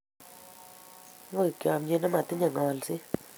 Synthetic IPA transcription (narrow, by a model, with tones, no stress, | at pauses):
ŋə˥˨kʲa˨mɲe˨na˦ma˨t̪ə˦ɲa˨ŋaː˨lsi˦